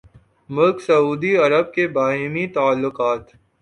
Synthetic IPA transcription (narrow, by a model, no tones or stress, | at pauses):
mʊlksɐuːd̪iɐɾəb̚kebaːɦɪmit̪aːlːʊqaːt̪